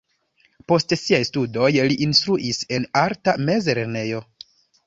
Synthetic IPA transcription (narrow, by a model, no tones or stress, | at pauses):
po̞stsiajstudo̞jliʔinstɾuʔise̞naɾtame̞zeɾene̞jo̞